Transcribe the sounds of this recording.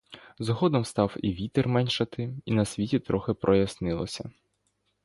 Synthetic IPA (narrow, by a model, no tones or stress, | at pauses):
zɔɦɔd̪ɔmst̪ɑwḭʋʲit̪ɪrmɛnʲʃɐt̪ɪinɐsʲʋʲitʲit̪ɾɔxɪpɾʔɔjɐsnɪlˠɔ̰sʲɐ